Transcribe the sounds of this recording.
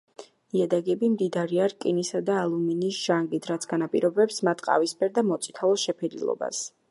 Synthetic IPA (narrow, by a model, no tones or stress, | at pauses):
iad̪aɡɛbimd̪id̪aɾiaɾkʼinisad̪aːlˠuminisʒ̥aŋɡit̪ʰɾat̪sʰɡanapʼḭɾɔbɛpsmat̪ʰqʼa̰vispɛɾd̪amɔt̪sʼi̥t̪ʰaɔʃɛpʰɛd̪lḭlˠɔ̰ba̰s